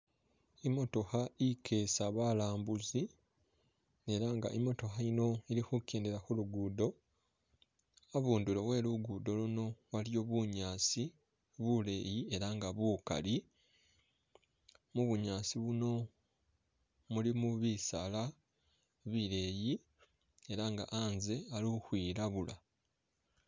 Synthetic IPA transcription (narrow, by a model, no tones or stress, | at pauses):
imo̞to̞xaikʰe̞ːsaβaːlaːmbuzi | e̞ɾaŋɡa̰ʔimo̞to̞xaino̞iɾixukeːnde̞ɾaxuluɡuːdo̞ | aβuːndulowe̞ːluɡud̪o̞luno̞waljo̞ːβuɲaːsi | βule̞ːjie̞ɾaŋɡaβuːka̰li | muβuɲaːsiβuno̞ | mulimuβisala | βiɾe̞ːji | e̞ɾaŋɡa̰ʔaːnze̞aluxwiːɾaβula̰